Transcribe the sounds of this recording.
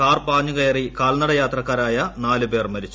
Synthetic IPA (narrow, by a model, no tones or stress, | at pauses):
kaːrpaːɲːuɣɐjɐrikaːlnɐɽɐjaːt̪rɐkːaːɾaːjɐnaːlupeːrmɐɾit͡ɕːu